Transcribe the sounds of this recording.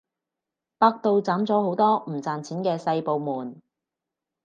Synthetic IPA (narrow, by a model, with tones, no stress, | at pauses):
paː˧k̚t̪o˨wt͡saː˨˥mt͡sɔː˨˥ho˨˥wt̪ɔː˥m̩˨˩t͡saː˨nt͡sʰiː˨˥nkɛː˧sɐ˧jpo˨wmuː˨˩n